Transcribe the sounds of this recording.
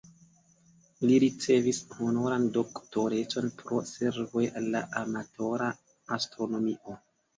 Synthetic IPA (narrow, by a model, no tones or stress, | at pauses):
liɾit͡se̞vishono̞ɾando̞ktoɾe̞t͡so̞npʰɾo̞se̞ɾvo̞jʔalːa̰ʔamato̞ɾaː | stɾo̞no̞miʔo̞